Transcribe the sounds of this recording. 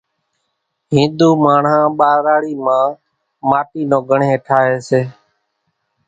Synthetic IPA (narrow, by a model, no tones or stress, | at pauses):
ɦĩːnd̪uːmaːɳãːɓaːɾaːɽiːmãː | maːʈiːnõːɡʱəɳẽːʈʰaːɦeːseː